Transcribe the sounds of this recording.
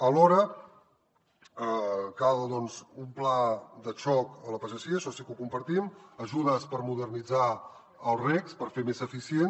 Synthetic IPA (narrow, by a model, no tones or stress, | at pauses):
əlɔɾə | əkalðɔnzumplad̪ət͡ʃɔkələpəzəsiəʃɔsikukumpəɾt̪iməʒuðəspəɾmuðərnid͡za | əlˠrɛkspəɾfemezəfisien